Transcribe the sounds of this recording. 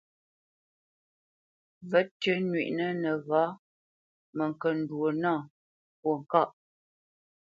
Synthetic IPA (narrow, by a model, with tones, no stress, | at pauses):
və˦tɥə˦nɥḭ˨ʔnə˦nə˨ɣaː˨˦ | mə˨ŋ˨kə˨n̩˨dwo˨nãː˦˨ | pwo˨ŋ̩˨ka˦˨ʔ